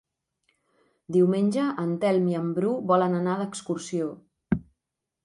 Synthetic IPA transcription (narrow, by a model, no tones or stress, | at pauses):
d̪iwmenʲʒəʔənt̪ɛlˠmiəmbɾuβɔlənənaðəkskursio